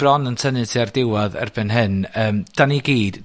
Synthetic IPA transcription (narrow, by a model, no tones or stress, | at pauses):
b̥rɔnəntʰənɨtʰiardɪwɔðə̰rb̥ɨnɦɨnəːmd̥aniɡiːd̥